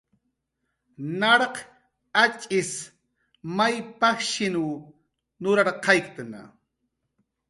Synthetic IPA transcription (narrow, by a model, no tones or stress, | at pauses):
nɑɾɑq | at͡ʃʼɪs | majpɑkʃɪnu | nʊɾɑɾqɑjkt̪ana̰